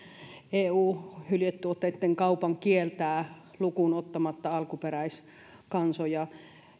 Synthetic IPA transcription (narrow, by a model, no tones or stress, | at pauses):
eːuːhyljet̪ːyot̪ːet̪ːeŋkɑupɑŋkielt̪æː | lukunot̪ːɑmɑt̪ːɑɑlkuperæis | kɑnsojɑ